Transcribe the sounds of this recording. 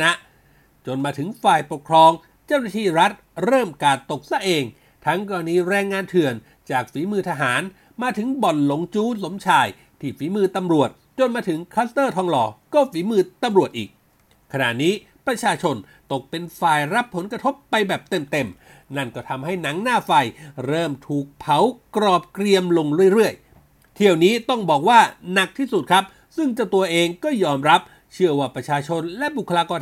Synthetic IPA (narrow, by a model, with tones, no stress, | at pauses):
na˦˥ʔ | t͡ɕo˧nmaː˧t̪ʰɯ˩˦ŋfaː˨˩jpo˨˩kʰɾɔː˧ŋ | t͡ɕa˥˩wna˥˧˩t̪ʰiː˥˩ɾa˦˥t̪̚ɾɤː˥˩mkaː˨˧˩t̪o˨˩k̚sa˧˩ʔeː˧ŋ | t̪ʰa˦˥ŋkɔː˧a˧niː˧˥ɾɛː˧ŋːaː˧nt̪ʰɯ˨˩ən | t͡ɕaː˨˩k̚fiː˨˩˦mɯː˧t̪ʰa˧ɦaː˩˦n | maː˧t̪ʰɯ˩˦ŋbɔ˨˩nlo˨˩˦ŋt͡ɕuː˦˥so˨˩˦mt͡ɕʰaː˧˩j | t̪ʰiː˧˩fiː˩˦mɯː˧t̪a˧mɾu˨˩ət̪̚t͡ɕo˧nmaː˧t̪ʰɯ˩˦ŋkʰaː˦˥st̪ɤː˥˩t̪ʰɔː˧ŋlɔː˧kɔː˥˩fiː˩˦mɯː˧t̪a˧mɾu˨˩ət̪̚ʔiː˨˩k̚ʰː | a˧na̰ː˨˩ʔniː˦˥ | pɾa˧t͡ɕʰaː˧t͡ɕʰo˧n | t̪o˨˩k̚pe˧nfaː˨˩jɾa˦˥pʰːo˩˦nkɾa˧t̪ʰo˦˥pːa˧jbɛː˨˩p̚t̪e˨˩mt̪e˧m | na˥˩nkɔː˥˩t̪ʰa˧mɦa˥˩jna˩˦ŋnaː˥˩fa˧jɾɤː˥˩mt̪ʰuː˨˩k̚pʰa˩˦wkɾɔː˨˩p̚kɾi˧əmlo˧ŋɾu˥˩əjɾɯ˥˩əj | t̪ʰi˧˩əwniː˦˥t̪ɔ˥˩ŋbɔː˨˩k̚waː˥˩na˨˩k̚t̪ʰiː˥˩su˨˩t̪̚kʰɾa˦˥p̚ | sɯ˥˩ŋt͡ɕa˨˩t̪u˧ɐʔeː˧ŋkɔː˥˩jɔː˧mɾa˦˥p̚ | t͡ɕʰɯ˥˩ɐwaː˥˩pɾa˧t͡ɕʰaː˧t͡ɕʰo˧nlɛ˦˥bu˨˩kʰːa˧laː˧kɔː˧n